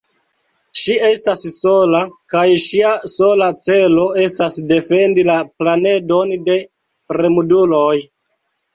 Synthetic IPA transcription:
ʃie̞stasso̞lakajʃiaso̞lat͡se̞lo̞e̞stasde̞fe̞ndilaplane̞do̞nde̞ | fɾemuduloj

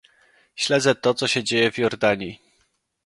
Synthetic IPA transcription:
ɕlɛd̪zɛt̪ɔt̪sɔɕɛd͡ʑejɛvjɔɾd̪aɲi

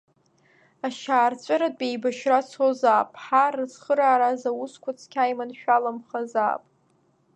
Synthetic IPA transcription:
aʃaːrt͡ɕʷʼaɾadʼejbaʃrat͡sʰozaːpʼħarɨzχəɾaːɾazawuskʷʰat͡sʰkʲʰajmanʃᶣalamχaza̰ːpʼ

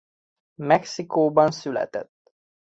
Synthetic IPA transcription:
mɛksikoːbɒnsylɛ̰t̪ɛ̰t̪ː

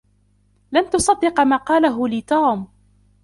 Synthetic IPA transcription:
lamt̪ʊsˤɑd̪ːɪqmaːqɑːlaɦʊliːt̪uːm

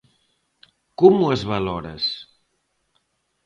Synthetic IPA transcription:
kɔmuəzβalɔɾə̰s

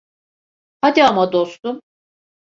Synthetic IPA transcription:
had̪iamad̪ost̪um

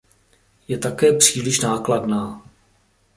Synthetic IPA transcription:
jɛt̪akɛːpr̝̥iːlɪʃnaːkladnaː

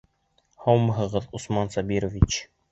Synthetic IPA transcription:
howmɤɦɤ̆ʁɤðusmɑnsɑbiɾovʲit͡ɕ

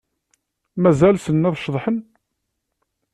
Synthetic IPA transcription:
mæzælsənːæðʃðˤħən

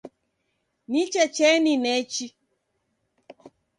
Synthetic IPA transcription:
nit͡ʃɛt͡ʃɛninɛt͡ʃi

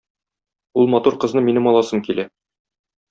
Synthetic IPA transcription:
ulˠmɒt̪uɾqɤ̆znɤminɘmɒlˠɑsɤŋkilæ

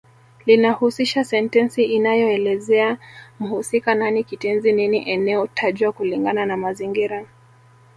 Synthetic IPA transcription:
linahusiʃasɛntɛnsiʔinajɔɛlɛzɛam̩husikananikitɛnzininiʔɛnɛɔtʰaʄwakuliŋɡananamaziŋɡiɾa

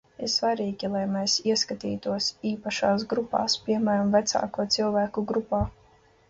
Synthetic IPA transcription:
iɾsvaɾiːɡʲilˠajmɛːsiɛskat̪ḭːt̪uɔsiːpaʃaːs̬ɡɾupa̰ːspʲiɛmæːɾamvæt̪sa̰ːkuɔt̪silˠvæːkuɡɾupaː

